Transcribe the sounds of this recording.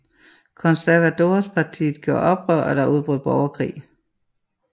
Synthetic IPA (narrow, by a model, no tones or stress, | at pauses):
kʰɒ̽nsæɐʋædo̝ːspʰɑ̈t͡sʰḭːð̩ˠɡ̥jo̝ɐ̰ʔɒ̽b̥ʁœɐ̰ʔɒ̽ɾ̥ɑ̈ʔuð̞ˠb̥ʁyð̰ˠb̥ɒʊɐkʰʁḭː